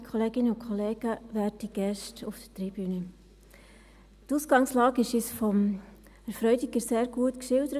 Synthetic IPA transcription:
kʰχɔleːɡɪnəʊkʰχɔleːɡ̥əʋæːɾtiɡ̥ɛʃtufd̥ətɾib̥ynə | tuːsɡɑŋslɑːɡɪʃɪsfɔm | ɛɾfɾœʏdiɡəɾseːɾɡ̥uətkʃɪld̥əɾə

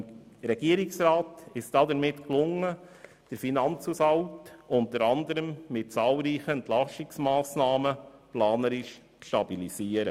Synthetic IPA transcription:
m | ɾɛɡ̥iəɾɪksɾɑːt̪ɪʃd̥ɑdəɾmɪtklʊŋːə | d̥əɾfinɑnt͡susɑltʔʊntəɾɑnd̪əɾəmmɪt̚t͡sɑːlˠɾiːχəɛntlɑʃtɪksmɑːsnɑːməplɑːnəɾɪʃ | t͡sʃtɑbilisiːəɾə

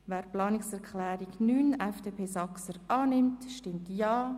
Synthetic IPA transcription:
vɛːɾplɑːnɪksɛɾkʰlɛːɾɪɡnyːnɛfd̥eːpʰeːsɑksəɾɑːnɪmtʃtɪmtjɑː

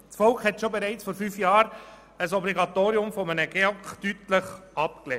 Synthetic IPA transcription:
sfɔlkχhɛt̪ʃobɛɾæɪt͡sfoːɾfyːfjɑːɾ | əsɔbliɡɑt̪oːɾiʊmfɔmənəɡ̥eɔktytləχɑpklɛ

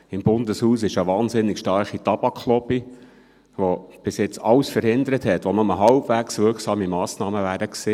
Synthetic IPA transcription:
ɪmbʊndəshuːsɪʃəʋɑːnzɪnːɪkʃtɑrχit̪ɑb̥ɑkχlɔpi | ʋob̥ɪsjɪt͡sɑwsfəɾhɪnd̪əɾəthɛt̪ʋonʊməɦɑlbvæksʋɪɾksɑːmimɑːsnɑːməvæːɾdəkseː

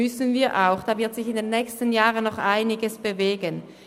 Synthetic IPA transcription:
ʏsənviːɐʔaʊxd̥aːvɪɐtsɪçɪndenːɛːçstən̩jaːʁənːɔχʔaɪnɪɡəsb̥əveːɡən

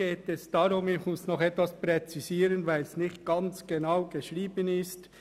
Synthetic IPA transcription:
eːtɛsd̥aɾʊmɪçmʊsnɔχɛtvasprɛt͡sisiːɾənvæɪlsnɪχtɡ̥ɑnt͡sɡ̥enaʊɡ̥eʃɾiːbənɪst

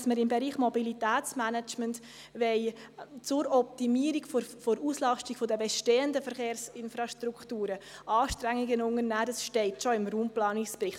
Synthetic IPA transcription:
sməɾɪmbɛɾiːχmɔbilitɛːt͡smænɛt͡ʃmənt | ʋɛɪ | t͡sʊɾɔp̚timiːəɾiɡffoɾuslɑʃtiɡ̥fodəbɛʃteːəndəfəɾχeːɾsɪnfɾɑʃtɾuktuːɾəʔɑːʃtɾɛŋːɪɡənʊŋəɾnæːdɑsʃtɛɪtʃoɪmɾuːmplɑːnispɾɪχ

